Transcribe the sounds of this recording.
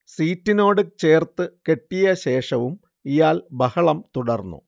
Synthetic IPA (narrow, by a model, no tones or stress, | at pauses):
siːtːino̞ːɽɨt͡ɕe̞ːrt̪ɨke̞ʈːijɐɕe̞ːʂɐʋum | ijaːlbɐhɐɭɐmt̪uɽɐrnːṵ